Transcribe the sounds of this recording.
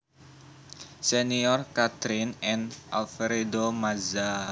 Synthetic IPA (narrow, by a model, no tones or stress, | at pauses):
seniɔrkat̪ɾɪnɛnʔalfeɾedomaza